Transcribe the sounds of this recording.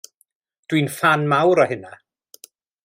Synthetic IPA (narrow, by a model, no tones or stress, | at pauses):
d̥winfanmawɾɔɦɪna